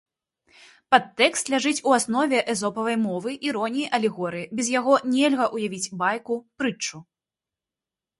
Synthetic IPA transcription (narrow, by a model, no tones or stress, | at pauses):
pat̪ːɛkst̪lʲaʐɨt͡sʲuasnɔvʲɛʔɛzɔpɐvɐjmɔvɨʔiɾɔnʲijʔɐlʲɛɣɔɾɨjibʲɛzjaɣɔnʲɛlʲɣɐʔujavʲit͡sʲbajkupɾɨt͡ʂːu